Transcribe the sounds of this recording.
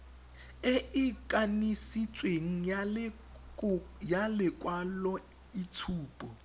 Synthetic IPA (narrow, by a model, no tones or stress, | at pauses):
ɪɪkʼanisit͡sʼweŋ̩ | jalɪkʼwalɔ | it͡sʰuːpʼɔ